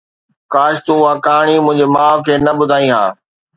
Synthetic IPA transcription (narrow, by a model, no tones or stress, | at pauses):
kaːʃt̪uɦaːkaːɽ̃imʊ̃ɦɪ̃ɲd͡ʑemãːkʰeːnɐɓʊd̪ʱaːĩɦa̰ː